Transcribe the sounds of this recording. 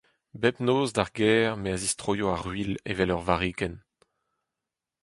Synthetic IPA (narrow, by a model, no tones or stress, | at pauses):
bɛpnoːzd̪aʁɡɛːʁmeazistʁoːjoaʁɥilḛvɛlœʁvaʁiːkɛn